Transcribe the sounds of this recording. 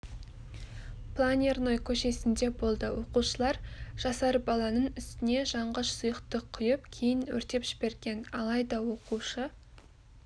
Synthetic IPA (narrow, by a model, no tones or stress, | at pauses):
pʰlˠanʲerno̞jkʲʰɵʃe̞sɪnd̪e̞bo̞lˠd̪əwo̞quʃəlˠɑɾʒ̥ɑsɑɾbɑlˠɑnəɴʏst̪ɪne̞ʒɑɴʁəʃsʊjəqt̪əqʰːʊjəp̚kʲʰe̞jɪnwɵ̰ɾt̪e̞pʒ̥ɪbe̞ɾɡʲe̞nɑlˠɑjd̪ɑwo̞quʃə